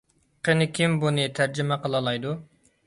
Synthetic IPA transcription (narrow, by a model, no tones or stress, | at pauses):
qʰenɪkʲʰimbunɨt̪ʰæɾd͡ʒɪmɛqəlˠɑlˠɑjd̪u